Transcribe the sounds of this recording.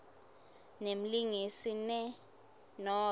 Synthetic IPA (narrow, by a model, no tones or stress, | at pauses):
nem̩liŋisinɛ | nɔ